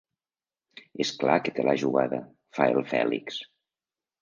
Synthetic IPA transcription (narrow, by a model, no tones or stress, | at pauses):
esklaket̪elʔaʒuɣaðə | faelˠfɛ̰liks